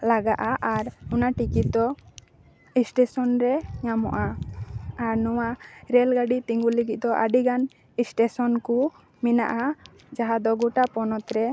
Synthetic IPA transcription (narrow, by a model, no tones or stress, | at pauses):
laɡaʔaʔaɾunaʈikid̪ɔ | isʈɛsɔnɾɛɲamɔ̰ʔa | aɾnɔwaɾɛlɡaɖit̪iŋɡuliɡit̪̚d̪ɔʔaɖiɡan | isʈɛsɔnku | mina̰ʔa | d͡ʒaɦad̪ɔɡuʈapɔnɔt̪ɾɛ